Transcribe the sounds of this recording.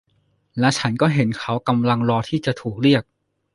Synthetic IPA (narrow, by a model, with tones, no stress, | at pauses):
lɛ˦˥wt͡ɕʰa˦˥nkɔː˥˩ɦe˩˦nkʰa˦˥wka˧mla˧ŋɾɔː˧t̪ʰiː˥˩t͡ɕa˨˩t̪ʰuː˨˩k̚ɾi˥˩ək̚